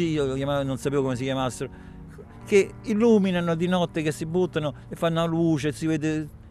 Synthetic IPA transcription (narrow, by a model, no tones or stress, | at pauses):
iiokjamanonsapeːvokomes̬ikʲjamasːɪɾo | keilːuːminanod̪inɔt̪ːekesːibːut̪ːanʊ | efːanːoaluːt͡ʃet̪sːiveːd̪ɪ